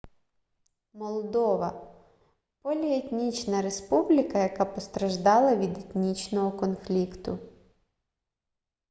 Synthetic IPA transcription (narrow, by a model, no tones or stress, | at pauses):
mɔlˠd̪ɔʋɐ | pɔlʲiet̪ʲnʲit͡ʃnɐɾespublʲɪkɐjɐkapɔst̪ɾɐʒd̪ɑlˠɐʋʲid̪et̪ʲnʲit͡ʃnɔɦɔkɔnflʲikt̪ʊ